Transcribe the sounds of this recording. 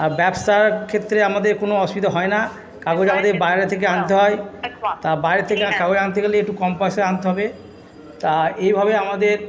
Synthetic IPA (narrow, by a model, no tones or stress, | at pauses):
abɛbsaɾkʰet̪ːɾeamad̪eɾkonoɔsbid̪oɦɔena | kaɡod͡ʑamad̪eɾbajɾat̪ʰek̬eant̪eɦɔet̪abajɾat̪ʰekeakaboɾeant̪̬eɡeleek̚ʈukɔmpajseant̪eɦɔbe | t̪aejbʱabeamad̪eɾ